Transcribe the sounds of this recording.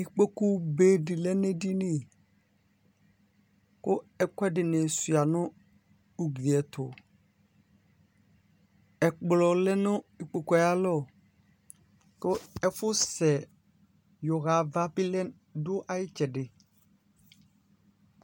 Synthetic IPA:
i˨k͡po˦ku˦be˨˦dɪ˨lɛ˦ne˦di˦nɪ̃˦˨ | kʊ˦ɛ˦kwɛ˦dɪ˨nɛ̃˨su˨a˨nʊ̃˦ | u˨ɡli˨ɛ˨tʰʊ˨ | ɛ˨k͡plɔ˨lɛ˦nʊ̃˦i˨k͡po˨kɔ˨ja˦lɔ˦˨ | kʊ˦ɛ˦fʊ˦sɛ˨ | jʊ˨ɣa˨va˦bi˦lɛ˦n | dʊ˦ʔa˨jɪ˦t͡ʃɛ˨dɪ˨

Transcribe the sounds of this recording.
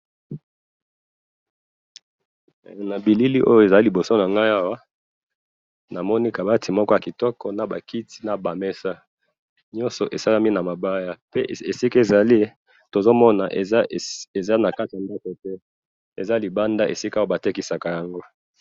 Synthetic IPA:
na˨bi˨li˦li˦ʔo˦jo˦˨e˨za˨li˦li˨bo˨so˦na˨ŋɡa˦ja˦wa˦ | na˨mɔ˦ni˦ka˨ba˦tʰi˨mɔ˦kɔ˦ja˨ki˨tɔ˦kɔ˦na˨ba˨ki˦ti̥˦na˨ba˨mɛ˦sa˦ | ɲɔ̃˦nsɔ̰˨ʔe˨sa˦la˦mi˦na˨ma˨ba˦ja˦pe˦ʔe˨si˦ke˨za˨li˦ | to˨zo˦mɔ˦na˨ʔe˨za˦na˨ka˦ti˨ja˨nda˦ko˨tɛ˦ | e˨za˦li˨ba˦nda˦ʔḛ˨si˦ka˦wa˦ba˨te˦ki˨sa˨ka˨ja˨ŋɡo˦

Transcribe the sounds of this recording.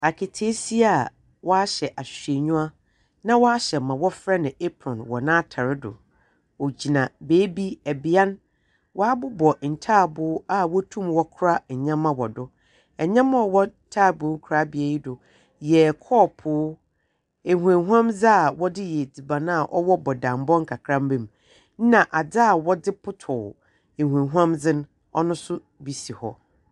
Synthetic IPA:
a˨kʰɪ˨tʰe˦si˦a˦˨ | wɔ˦a˦ɕɛ˨ʔa˨ɕe˨ɲũ˦a˦ | nã˦wɔ˦a˦ɕɛ˨mã˨wɔ˦fɾɛ˦nɪ̃˨ʔe˦pʰɾɔ̃˨nwɔ˨nãː˦tʰa˨ɾɪ˦dʊ̰˨ | o˨d͡ʑi˨nã˨beː˦bi˦ɛ˨bi˨˦a˦n | wɔ˦a˦bʊ˦bɔ˨n̩˨tʰaː˦˨bʊː˦a˦wɔ˦tʰũ˦mwɔ˦kʰʊ˦ɾa˦˨ɲã˦mã˦wɔ˨dʊ˦ | ɛ˨ɲã˦mã˦ɔ˨wɔ˦tʰaː˦˨bʊ˨˦kʰʊ˨ɾa˦bi˨e˨ji˦dʊ˨ | jɛ˨kʰɔː˦˨pʰʊː˨˦ | e˨hu˨ẽ˨ɦu˦ã˦md͡za˦a˨wɔ˦dɪ˦jɛ˨d͡zi˨bã˨nã˦a˨ʔɔ˦wɔ˦bɔ˨dã˨m˦bɔ̃˦ŋ̩˦kʰa˨kʰɾã˦m˦bɛ̃˦˨m˦ | nã˨ʔa˨d͡za˦a˨wɔ˦dɪ˦pʰʊ˦tʰʊ˨ | e˨hu˨ẽ˨ɦu˦ã˦md͡zɪ̃˦n | ɔ˦nʊ̃˦sʊ˦ | bi˨si˨hɔ̰˦

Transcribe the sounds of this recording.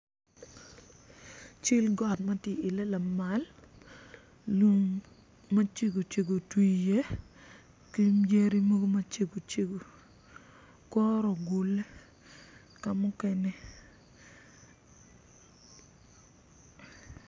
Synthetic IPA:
t͡ʃi˦lɡɔ˦tma˦tjɪ˦˨ɪ˨le˦la˨ma˨l | lu˦ŋ | ma˦t͡ʃe˦ɡo˨t͡ʃe˨ɡo˨twi˨je˦ | ki˦mje˦ɾi˦mo˦ɡo˦ma˦t͡ʃe˨ɡo˨t͡ʃe˦ɡo˨ | kɔ˦ɾɔ˨ɡu˨le˦ | ka˨mʊ˦kɛ˦nɛ˦

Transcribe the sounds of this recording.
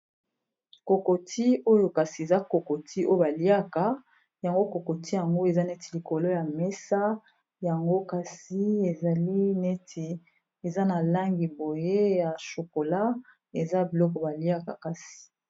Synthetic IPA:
ko˨ko˨tʰi˦o˦jo˨ka˨si˨e˨za˦ko˨ko˨tʰi˦ʔo˦jo˦˨ba˨li˦a˦ka˨˦ | ja˨ŋɡo˦ko˨ko˨ti˦ja˨ŋɡo˦e˨za˦ne˦ti̥˨li˨ko˨lo˦ja˨mɛ˦sa˦ | ja˨ŋɡo˦ka˨si˦e˨za˨li˦ne˦tʰi˨ | e˨za˦na˨la˦ŋɡi˨bo˨je˦ja˨ʃo˨ko˨la˦ | e˨za˦bi˨lɔ˦kɔ˨ba˨li˦a˦ka˨ka˦si̥˨

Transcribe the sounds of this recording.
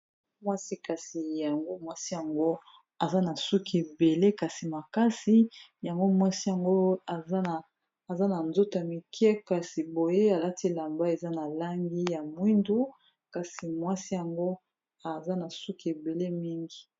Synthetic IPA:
mwa˦si˦ka˨si˨ja˨ŋɡo˦mwa˦si˦ja˨ŋɡo˦ | a˨za˦na˨su˦ke˨be˨le˦ka˨si˨ma˨ka˦si˦ja˨ŋɡo˦mwa˦si˦ja˨ŋɡo˦a˨a˦aː˨ | za˦na˨nzo˦to˨ja˨mi˨ki˦ɛ˦ka˨si˨bo˨je˦a˨la˦ti˦la˨mba˦e˨za˦na˨la˦ŋɡi˦ja˨mwi˦ndu˦ | ka˨si˨mwa˦si˦ja˨ŋɡo˦ | a˨za˦na˨su˦ki˨e˨be˨le˦mi˦ŋɡi˨

